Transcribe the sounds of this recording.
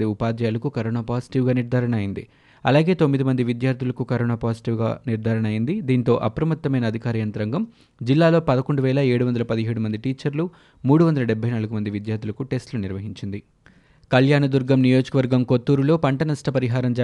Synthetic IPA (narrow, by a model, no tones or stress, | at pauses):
iupaːd̪ɐjaːlɐkukɐɾoːnaːpaːsi̥ʈiʋɡaːniɾd̪ʱaːɾɐɳɐːjind̪ḭ | ɐlaːɡe̞ːt̪omːid̪imɐnd̪iʋid̪jaːɾt̪ʰilɐkukɐɾoːnaːpaːsi̥ʈiːʋɡa̰ːniɾd̪ʱaːɾɐɳɐːjind̪id̪iːnt̪o̞ːʔɐpɾɐmɐt̪ːɐmɐjnɐːd̪ʱikaːɾijɐnt̪ɐɾɐŋɡɐm | d͡ʒilːaːlo̞ːpɐd̪ɐko̞ɳɖuʋɛːlɐe̞ːɽuʋɐnd̪ɐlɐpɐd̪iɦeːɽumɐnd̪iʈiːt͡ʃɐɾlu | muːɽuʋɐnd̪ɐlɐɖɛbʱːɐjnaːlɐɡumɐnd̪iʋid̪jaːɾd̪ʰʱulɐkuʈe̞sʈluniɾʋɐɦiɲt͡ʃind̪i | kɐljaːnɐd̪uɾɡɐmnijo̞ːd͡ʒɐkɐʋɐɾɡɐmko̞t̪ːuːɾulo̞ːpɐɳʈɐnɐsʈʰɐpɐɾiɦaːɾɐmd͡ʒa